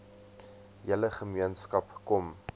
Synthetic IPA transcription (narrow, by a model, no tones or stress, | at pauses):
jələχəmiənskɐpkɔm